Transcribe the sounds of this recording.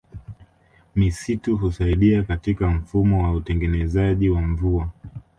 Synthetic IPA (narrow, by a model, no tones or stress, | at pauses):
misituɦusaiɗiakatikam̩fumɔwautɛŋɡɛnɛzaʄiwaɱvua